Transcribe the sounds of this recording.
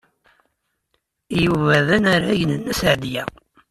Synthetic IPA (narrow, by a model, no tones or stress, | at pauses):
juvæðænaɾaʝnənːæsʕd̪jæ